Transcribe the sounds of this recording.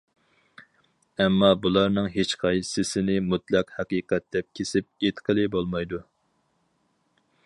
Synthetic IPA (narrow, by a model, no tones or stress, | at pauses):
ɛmːɑbulˠɑɾnɨŋɦet͡ʃqʰɑjsɪsɪnɪmut̪lˠɛqhɛqiːqɛt̪̚d̪ɛp̚kʲʰesɪp̚et̪qʰəlˠɪbolˠmɑjd̪u